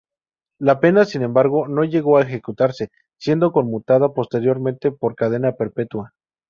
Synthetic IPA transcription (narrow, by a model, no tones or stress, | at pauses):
lape̞nasine̞mbaɾɣo̞no̞ʝe̞ɣo̞aexe̞kut̪aɾse̞ | sje̞nd̪o̞ko̞nmut̪aðapo̞st̪e̞ɾjo̞ɾmẽ̞nt̪e̞po̞ɾkað̞e̞nape̞ɾpe̞t̪wa